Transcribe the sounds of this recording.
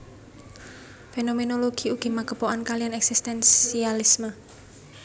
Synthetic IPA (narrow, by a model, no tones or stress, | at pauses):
fenomenoloɡ̥iuɡ̥imaɡ̥ə̤poʔankalijanɛksist̪ɛnsialismə